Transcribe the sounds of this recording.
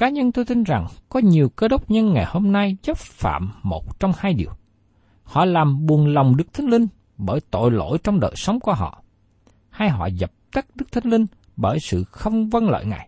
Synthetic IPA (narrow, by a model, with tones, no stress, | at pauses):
kaː˨˦ɲə˧nt̪o˧jt̪i˧nza˨˩ŋkɔ˨˦ɲi˨˩əwkə˨˦ɗə˦˥wk͡p̚ɲə˧nŋa˨˩jho˧mna˧jzə˦˥p̚fa̰ː˧˨mːo˨˩t̚t͡ɕɔ˧wŋ͡mhaː˧jɗi˨˩əw | hɔ̰˧˨laː˨˩mɓu˨˩ənla˨˩wŋ͡mɗɨ˦˥k̚t̪ʰa˧ŋ̟lï˧ŋ̟ | ɓəː˧˩jt̪o̰˧˨jlo̰˧˨jt͡ɕɔ˧wŋ͡mɗə̰ː˧˨jsə˨˦wŋ͡mku˧˩əɦɔ̰˧˨ | ha˧jɦɔ̰˧˨zə˨˩p̚t̪ə˦˥k̚ɗɨ˦˥k̚t̪ʰa˧ŋ̟lï˧ŋ̟ | ɓəː˧˩jsɨ̰˧˨xə˧wŋ͡mvə˧nlə̰ː˧˨jŋa̰ː˨˩j